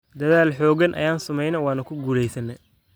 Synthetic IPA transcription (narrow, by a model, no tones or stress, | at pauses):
d̪ɐðaːlħɔːɣɐnʔɐ̰jaːnsʊmɛjnɐwɑːnɐkʰʊɡuːlɛjsɐnːɛ